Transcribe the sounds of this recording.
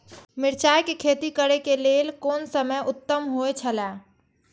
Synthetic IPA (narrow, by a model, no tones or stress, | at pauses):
mɪɾt͡ʃajkekʰet̪ikəɾekelelkonsəməjʔʊt̪ːəmɦoet͡ʃʰəlɛ